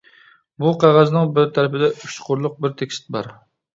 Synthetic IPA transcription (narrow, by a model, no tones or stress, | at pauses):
buqʰɑʁɑznɨŋbɪɾt̪ʰæɾɪpɪd̪ɛʔyt͡ʃqʰʊɾlˠʊq̚bɪɾt̪ʰekʲst̪̚bɑ̰ɾ